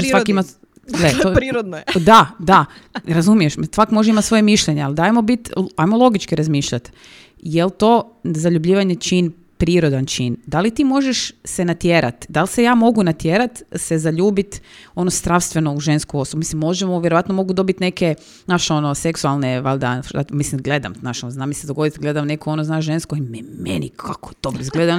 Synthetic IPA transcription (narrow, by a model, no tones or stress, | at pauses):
oʒesʋaima | let̪oɾiɾod̪nd̪ad̪aɾazumije̞ʃmsʋakmoʒeimat̪sʋo̞jemiʃʎeɲeald̪aːjemo̞bit̪ajmolˠo̞ɡit͡ʃkiɾazmiːʃʎat̪ | jelt̪o̞zaʎubʎiːʋaɲet͡ʃin | pɾiːɾo̞d̪ant͡ʃind̪alit̪iːmo̞ʒeʃsenat̪jeːɾa̰t̪d̪alˠsejaːmo̞ɡunat̪jeːɾat̪sezaʎuːbit̪o̞nozd̪ɾaʋst̪ʋeno̞uʒenskuo̞sobumislimːo̞ʒemoʋjeɾoat̪no̞mo̞ɡud̪o̞bit̪ne̞ke | naʃeonoseksualˠneʋalʲd̪afa̰mislimɡled̪a̰mnaʃonoznamised̪oɡo̞d̪it̪ɡled̪amnekʰoo̞noznaʒenskoimɛmḛnikʰako̥t̪obizɡled̪a